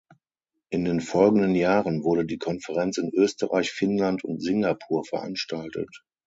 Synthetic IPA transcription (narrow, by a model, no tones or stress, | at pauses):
ʔɪndeːnfɔlɡn̩dənjaːʁənvʊɐɾədiːkʰɔnfəʁ̞ɛnt͡sɪnʔøːstəʁa̰ɪçfɪnlantʰʊ̰ntz̥ɪŋɡapʰuːɐfɛɐʔa̰nʃtʰaltʰə̰t